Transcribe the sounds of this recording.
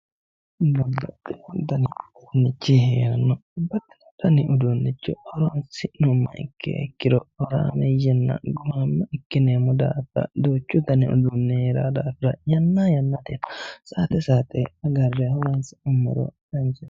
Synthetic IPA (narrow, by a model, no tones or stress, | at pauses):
bɐbːɐt̪ʼːɛd̪ɐnɪ | nːɪt͡ʃːiheːɾɐnːɔʊbːɐt̪ːɛ̥ɐt̪ɐnɪʔʊd̪unːɪt͡ʃːɔhɔɾɔnsɪnʊmːɐ̰ʔɪ̰kʰːɛ̰ɛ̰kːɪɾɔhɔɾa̰ːmɛjɛnːɐ̰ɡʊmamːɐɪkːɪneːmʊd̪a̰ːfɐ̰d̪oːt͡ʃːʊt̪ɐnɪʊ̰d̪ʊnːɛheɾa̰ːd̪aːfɾɐjɐnːajɐnːat̪ɛnɐsaːt̪ɛsaːt̪ʼɛɐɡɐrːɛhɔɾɐnsɪʊmːɐ̰ɾɔ̰ | ɐnd͡ʒɛ